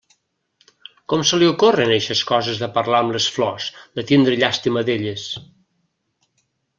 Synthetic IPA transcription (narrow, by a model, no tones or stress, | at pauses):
kɔmsəliukorəneʃəskɔzəzðəpəɾlaəmləsflɔzd̪ət̪ind̪ɾəʎast̪iməðeʎəs